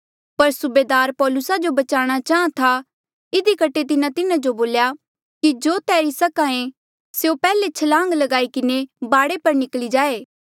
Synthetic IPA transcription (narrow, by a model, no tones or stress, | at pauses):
pɐɾsʊbeːd̪aːɾpɔːlʊsad͡ʒobɐt͡ʃaːɽ̃at͡ʃaːãt̪ʰa | ɪd̪ikɐʈʰet̪ɪnãt̪ɪnãd͡ʒoboːlja | kid͡ʒoːt̪ɛːɾisɐkãẽ | seopɛːlet͡ʃʰɐlãːŋɡlɐɡaːikɪnebaːɽepɐɾnɪklid͡ʒaːeː